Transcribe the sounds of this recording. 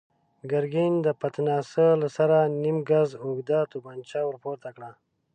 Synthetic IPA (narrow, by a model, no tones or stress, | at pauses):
ɡaɾɡind̪əpat̪nɑːsəlasaɾanimɡazoɡd̪at̪ubant͡ʃawəɾpoɾt̪akɽa